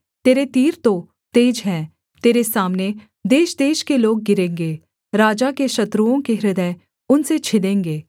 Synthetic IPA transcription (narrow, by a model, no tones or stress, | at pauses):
t̪eːɾet̪iːɾt̪o | t̪eːd͡ʒɦɛ̃ː | t̪eːɾesaːmne | d̪eːʃd̪eːʃkeloːɡ̚ːɪɾẽːŋɡeː | ɾaːd͡ʒakeʃɐt̪ɾuõkeɾɪd̪ə | ʊnset͡ʃʰɪlẽːŋɡeː